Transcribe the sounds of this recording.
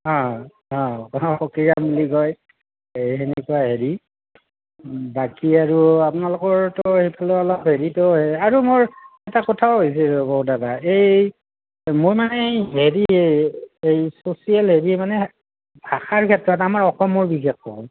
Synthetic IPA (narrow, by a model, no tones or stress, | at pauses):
ɔ̃ | ɔ̃xɔkiɹamuliɡɔj | ejɦenɛkuwaɦeɹi | bakiaɹuapʊnalʊkɔɹtɔhipʰalɔɔlɔpɦeɹitɔɦeaɹumoɹɛtakɔtʰaɦojs̬ɛboɦutataej | mojmanɛɦeɹieejsosialɦeɹimanɛ | bʱaxaɹkʰɛtɹɔtamaɹɔxɔmɔɹbixexːɔ̰